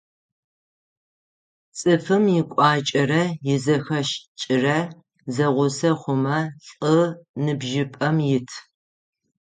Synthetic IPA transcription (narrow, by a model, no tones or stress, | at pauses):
t͡sʼɨfɨmjɪkʷʼɑːt͡ʃʼɐrɐjɪzɐxɐʃt͡ʃʼɪrɐ | zɐʁʷʊsɐχʷʊmɐɬʼənɨbʒɪpʼɐmjɪtʰ